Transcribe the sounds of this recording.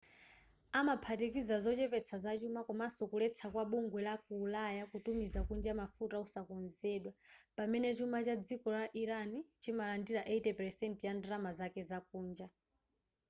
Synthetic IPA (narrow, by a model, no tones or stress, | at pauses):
amapʰatikizazɔt͡ʃɛpɛt͡sʰazat͡ʃumakumasɔkulɛt͡sʰakwaɓuŋɡwɛlak̚uːlajakutumizakund͡ʒamafutausakɔnzɛːɗwapamɛnɛt͡ʃumat͡ʃad͡zikɔlaʔiɾanit͡ʃʰimalandiɾaʔeitɛpɛɾsɛntjandɾamazakɛzak̚uːnd͡ʒa